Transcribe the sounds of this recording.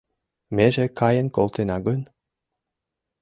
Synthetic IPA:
meʒekʰɑjə̆nkolˠt̪enɑɡən

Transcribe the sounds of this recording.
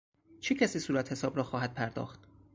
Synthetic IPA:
t͡ʃʰecʰæsiːsuːɾæt̪he̞sɒːbɾɒːxɒːɦæd̪̚pʰæɾd̪ɒ̰ːxt̪

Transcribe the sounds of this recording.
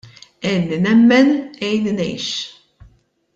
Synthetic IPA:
ɛnːinɛmːɛnɛjnnɛ̰jʃ

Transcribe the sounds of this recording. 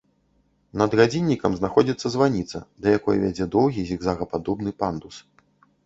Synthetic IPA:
nɐd̪ɣad͡zʲinʲːikɐmznaxɔd͡zʲit̪sːɐzvanʲit̪sɐ̰d̪ɐjakɔjvʲad͡zʲɛd̪ɔwɣʲizʲiɡzaɣɐpad̪ɔbnɨpand̪us

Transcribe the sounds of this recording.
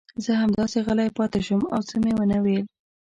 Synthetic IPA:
zəɦamd̪ɑseɣəlajpɑt̪ɪʃəma̰wt͡səmewənəwel

